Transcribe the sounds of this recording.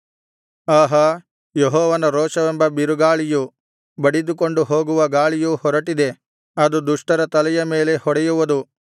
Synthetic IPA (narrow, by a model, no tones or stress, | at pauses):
aːɦɐ | jeɦɔːʋɐnɐɾɔːʃɐʋembɐbiɾuɡaːɭiju | bɐɽid̪ukoɳɖuɦoːɡuʋɐɡaːɭijuhɔɾɐʈid̪e̞ | ɐd̪ud̪uʂʈɐɾɐt̪ɐlɛjɐme̞ːle̞hɔɽɛjuʋɐd̪u